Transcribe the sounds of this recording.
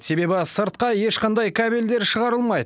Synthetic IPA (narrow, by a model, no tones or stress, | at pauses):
se̞be̞bɪsəɾt̪̚qɑjeʃqɑnd̪ɑjkʰæbeld̪e̞ɾʃəʁɑɾəlˠmɑjd̪əə